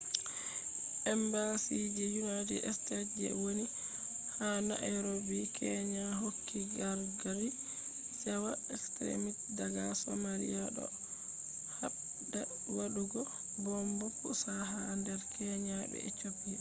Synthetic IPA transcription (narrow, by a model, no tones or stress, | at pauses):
ʔɛmbasid͡ʒɛjunadḭʔɛstad͡ʒɛ̰woni | hana̰ʔaɾobikɛɲaɦokʰːiɡaɾɡaɾi | sawaɛkstɾḛmitdaɡasɔmalḭjaɗɔ̰ | ha | da | waɗuɡɔ | bɔmbɔpusaɦandɛɾkɛɲabɛ̰ɛt͡ʃopːi